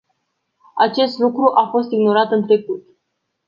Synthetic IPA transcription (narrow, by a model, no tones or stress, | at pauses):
at͡ʃe̞st̪lukɾuʔafo̞st̪iɡno̞ɾat̪ɨnt̪ɾe̞kut̪